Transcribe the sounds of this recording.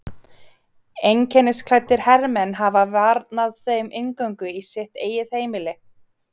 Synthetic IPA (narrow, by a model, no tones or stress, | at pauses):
ejŋcʰɛnːɪskʰl̥ɛt̪ːɪɾ̥hɛɾmɛnɦavavaɾt̪naðθejmʔɪŋkœɥŋkʏisɪht̪eːjɪðheːjmɪlɪ